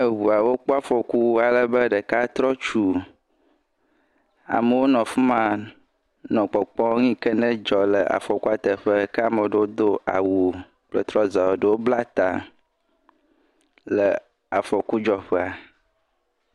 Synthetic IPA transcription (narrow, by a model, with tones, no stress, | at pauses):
ə˨wu˨a˨wo˦k͡po˦a˦fɔ˨ku˦a˨lə˦bə˦ɖə˨ka˦t̪ɾɔ˦t͡ʃu˨ | a̰˨mə˨wo˦nɔ̃˨fu˦mã˨ | nɔ̃˨k͡pɔ˨k͡pɔ̃˦ŋĩ˦kə˦nɛ̃˦d͡ʒɔ˨lə˨ʔa̰˨fɔ˨ku˦a˦t̪ə˨ɸə˦kɛ˦a˨mə˨ɖə˨˦wo˦d̪o˦a̰˨wu˨ | k͡plə˨t̪ɾɔ˦za˨wo˨ɖə˨wo˦bla˦t̪a̰˨ | lə˨ | a˨fɔ˨ku˦d͡ʒɔ˦ɸɛ˦a˨